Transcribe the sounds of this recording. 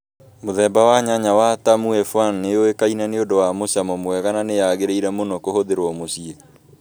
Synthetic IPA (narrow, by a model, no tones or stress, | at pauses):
moðɛmbawaɲaɲawatamuɛfwanːeoekainaneodowamoɕamɔmwɛɣananejaɣeɾeiɾɛmonɔkohoðeɾwɔmosie